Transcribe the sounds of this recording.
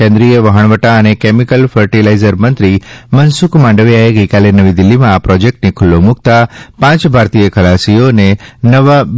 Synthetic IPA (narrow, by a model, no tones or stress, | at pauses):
kɛ̃nd̪ɾijəʋəɦəɳ̃ʋəʈaənekemikəlfʰəɾʈilaizəɾmənt̪ɾimənsukmãɳɖəʋjaeɡəkalenəʋid̪ɪlːimãːpɾɔd͡ʒek̚ʈnikʰʊlːomʊk̚t̪apãt͡ʃbʱaɾt̪ijəkʰəlasijonenəʋa